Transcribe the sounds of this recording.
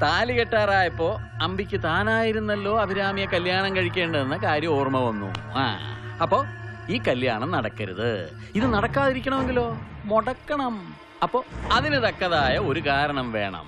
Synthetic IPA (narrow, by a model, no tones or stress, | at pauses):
t̪aːliɣɐʈːaːraːjɐpːo̞ː | ɐmbikʲːɨt̪aːnaːjiɾunːɐlːo̞ːɐbʱiɾaːmijɐkɐljaːɳɐmkɐɻikʲːe̞ːɳɖɐðenːɐkaːɾjɐoːrmɐʋɐnːṵa̰ːɐpːo̞ːiːkɐljaːɳɐmnɐɽɐkːɐɾɐ̰ðɨ̰ | iðɨnɐɽɐkːaːðiɾik̬ʲːɐɳɐmeŋɡilo̞ːmoɽɐkːɐɳɐm | ɐpːo̞ːɐðinɨt̪ɐkːɐðaːjɐo̞ɾukaːɾɐɳɐmʋe̞̰ːɳɐ̰m